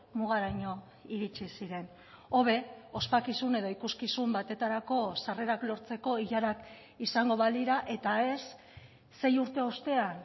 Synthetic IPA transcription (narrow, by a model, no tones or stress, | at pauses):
muɣ̞aɾajɲo̞ | iɾit͡ʃisiɾe̞n | o̞β̞e̞o̞spakisune̞ðo̞ikuskisumbat̪e̞t̪aɾako̞sare̞ɾaklo̞ɾt͡se̞ko̞iʎaɾak | isaŋɡo̞βaliɾaʔe̞t̪ae̞sː | e̞juɾt̪e̞o̞st̪e̞an